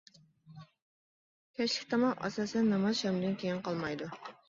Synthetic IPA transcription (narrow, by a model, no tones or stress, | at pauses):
kʲʰɛt͡ʃlɪkʲt̪ʰɑmɑqɑ̰sɑsɛnːɑmɑzʃɛmd̪ɪnkʲʰejinqʰɑlˠmɑjd̪u